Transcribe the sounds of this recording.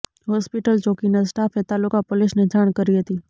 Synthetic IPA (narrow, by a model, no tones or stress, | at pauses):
ɦɔːspɪʈəlt͡ʃoːkinasʈaːfʰet̪aːlʊkapʊlɪsned͡ʒʱaːɽ̃kəɾiɦət̪i